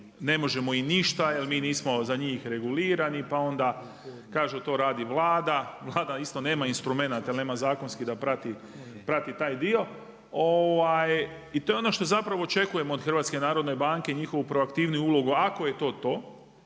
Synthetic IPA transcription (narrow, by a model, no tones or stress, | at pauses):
ne̞mo̞ʒe̞mo̞iniʃt̪ajelmiːniːsmo̞zaɲiːxɾe̞ɡuliːɾanipao̞nd̪a | kaːʒut̪o̞ːɾaːd̪iʋlˠaːd̪aʋlˠaːd̪aist̪one̞ːmainst̪ɾume̞nat̪ajelne̞ːmazaːko̞nskid̪apɾat̪i | pɾat̪it̪aːjd̪io̞ | oʋaj | it̪o̞jeo̞no̞ʃt̪o̞zapɾaʋo̞ːt͡ʃe̞kuje̞moːd̪xrʋat̪ske̞naːɾod̪no̞jbaŋke̞ɲixo̞ʋupɾo̞akt̪iːʋnujuulo̞ɡuako̞je̞t̪o̞ːt̪o̞ː